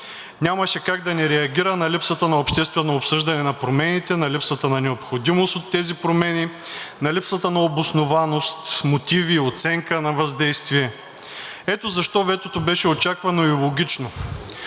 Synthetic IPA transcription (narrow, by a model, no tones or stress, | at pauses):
nʲamɐʃɛkaɡ̚d̪ɐnɛɾɛɐɡʲiɾənɐlipsət̪ənɐopʃt̪ɛst̪vɛnoopsɤʒd̪ɐnɛnɐpɾomɛnit̪ɛnɐlipsət̪ənɐnɛopxod̪imost̪ot̪ːɛzipɾomɛninɐlipsət̪ənɐobosnovanost̪mot̪iviot̪sɛŋkənɐvɐzd̪ɛjst̪viɛ | ɛt̪ozɐʃt̪ɔvɛt̪ot̪obɛʃɛot͡ʃakvɐnoilˠoɡʲit͡ʃno